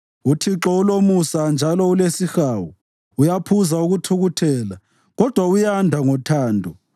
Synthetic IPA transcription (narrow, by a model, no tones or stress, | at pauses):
utʰiǁɔulomusand͡ʒʱalɔulesixaːwu | ujapʰuzauɣutʰuɣutʰɛːla | ɣɔd̥ʱwaujandʱaŋɔtʰaːndʱɔ